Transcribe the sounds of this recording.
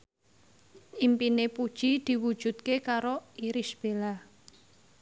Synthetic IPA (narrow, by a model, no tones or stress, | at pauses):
ʔimpinepud̥ʒ̥id̪̥i̤wud̥ʒ̥ṳt̪̚kekaɾoiɾisb̥ela